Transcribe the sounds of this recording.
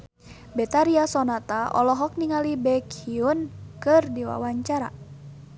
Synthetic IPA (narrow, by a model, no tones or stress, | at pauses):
bɛt̪aɾiasɔnat̪aɔlɔɦɔk̚niŋalibɛkiunkɨrdiwa̰waɲt͡ʃaɾa̰